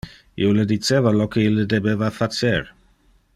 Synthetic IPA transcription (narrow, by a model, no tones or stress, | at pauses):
ḭoləd̪it͡sevalokeilːəd̪ebevafat͡seɾ